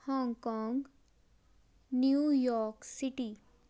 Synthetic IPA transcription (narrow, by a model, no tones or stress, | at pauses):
hɔ̃ŋɡkɔ̃ŋɡ | njujɔɾksiʈi